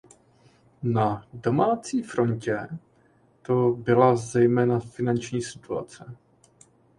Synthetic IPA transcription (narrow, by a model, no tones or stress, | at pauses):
nado̞maːt͡siːfɾo̞ɲcɛ | t̪o̞bɪlazɛjmɛːnafɪnant͡ʃɲiːsɪt̪ua̰t͡sɛ